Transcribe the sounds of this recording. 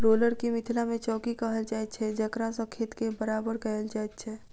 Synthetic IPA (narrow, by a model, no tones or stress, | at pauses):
ɾoːləɾkimɪt̪ʰɪlamẽt͡ʃɔːkikəɦəlt͡ʃaːit͡ʃʰɛd͡ʒɐkɾãsɐ̃kʰɪt̪kebəɾaːbəɾkəɦəld͡ʒaːɛd̪t͡ʃʰɛ